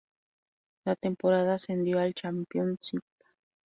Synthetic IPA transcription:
lat̪empoɾaðasend̪joalt͡ʃampjonsit̪ḁ

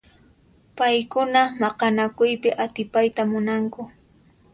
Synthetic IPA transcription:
pajkʊnamɑqɑnakʊjpɪʔat̪ɪpajt̪amʊnaŋkʊ

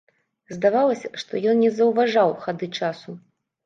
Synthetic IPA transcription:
zd̪avalˠɐsʲɐʂt̪ɔjɔnnʲɛzɐwvaʐawxad̪ɨt͡ʂasu

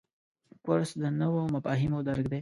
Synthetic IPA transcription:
kwaɾsd̪ənəwomafɑɦimod̪aɾɡd̪e

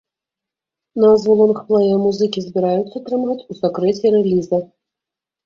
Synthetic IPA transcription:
nɐzvɔlˠɔnɨxplˠɛjɛmuzɨkʲizbʲiɾajut̪sːɐt̪ɾɨmɣɐt͡sʲusakɾɛt͡sʲɛɾɛlʲizɐ

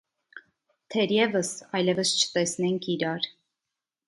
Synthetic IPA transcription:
t̪ʰɛɾjɛvəsɑjlɛvəst͡ʃʰə̥t̪ɛsnɛŋkʰiɾɑɾ

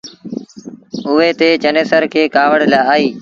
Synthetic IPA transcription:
ʊɦeːt̪eːt͡ʃəneːsəɾkʰeːkaːʋəɽ̤laːaːiː

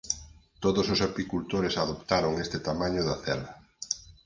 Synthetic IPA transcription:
t̪oðososapikult̪oɾɪsaðopt̪aɾoŋest̪ɪt̪amaɲʊðɐθɛlɐ

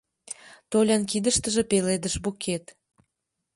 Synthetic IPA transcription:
t̪olʲɑnk̬id̪əʃt̪əʒĕpeled̪əʃbukʰet̪

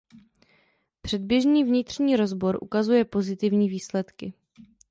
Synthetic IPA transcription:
pr̝̥ɛd̪̚bjɛʒɲiːvɲɪt̪r̝̥ɲiːɾo̞zbo̞ɾʔṵkazujɛpo̞zɪt̪ɪvɲiːviːslɛt̪kɪ

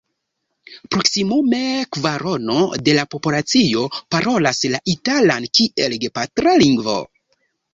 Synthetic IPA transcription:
pɾo̞ksimume̞kvaɾo̞no̞de̞lapo̞pulat͡sio̞paɾʔo̞laslaʔitalankie̞lɡepatɾaliŋɡvo̞̰

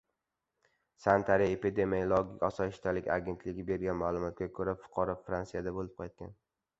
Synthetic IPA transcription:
sant̪ʰaɾijepid̪emijlˠɒɡʲikʲɒsɒjɪʃt̪ʰalɪkʲa̰ɡʲe̞nt̪ʰlɪɡʲɪbe̞ɾɡʲanmaːlˠʊmɒt̪̚ɡʲakʰɵɾafʊ̥qʰɒɾɒfɾansijad̪abolɪp̚qʰɑjt̪̚kʲa̰n

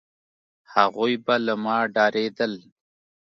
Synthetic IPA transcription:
haɣujbalamɑːɖɑːɾed̪əl

